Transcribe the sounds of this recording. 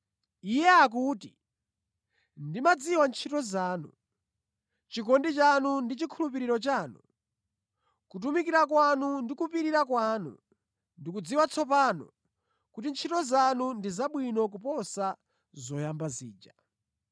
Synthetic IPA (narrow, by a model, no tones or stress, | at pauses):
ijɛak̬uːti | ndimad͡ziwant͡ʃʰitɔzaːnṵ | t͡ʃikɔndit͡ʃanundit͡ʃikʰulup̬iɾiɾɔt͡ʃaːnṵ | kut̬umikiɾakwanundikupiɾiɾakwaːnṵ | ndik̬ud͡ziwat͡sʰɔpanɔ̰ | kutint͡ʃʰitɔzanundizaɓwinɔk̬upɔsa | zɔjambazḭːd͡ʒa